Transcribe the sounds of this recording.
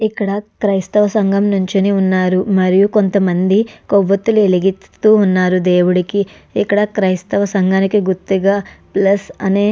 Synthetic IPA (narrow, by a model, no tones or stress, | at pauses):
ikːɐɽɐkɾɐjst̪ɐʋɐsɐŋɡɐmnuɲt͡ʃiniunːaːɾumɐɾijuko̞nt̪ɐmɐnd̪ikoʋːɐt̪ːulueliɡit̪uːnːaːɾud̪e̞ːwuɽiki | ikːɐɽɐkɾɐjst̪ɐʋɐsɐŋɡaːnikiɡuɾt̪ːuɡaːplɐsɐneː